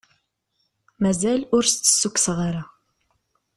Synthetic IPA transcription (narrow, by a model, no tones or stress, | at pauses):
mæzælʊɾst̪ːə̥sːukːsʁaɾa